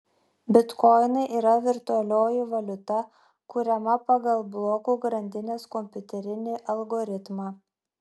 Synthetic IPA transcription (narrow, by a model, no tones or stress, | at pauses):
bʲɪt̪kɔɪnɐɪʔiːɾɐʋʲɪɾt̪ʊɐlʲoːjɪʋɐlʲʊt̪ɐ | kʊɾʲɛmɐpɐɡɐlˠblˠoːkuːɡɾɐnʲd̪ʲɪnʲeːskɔmʲpʲʊt̪ʲɛɾʲɪnʲeːʔɐlˠɡoːɾʲɪt̪mɑː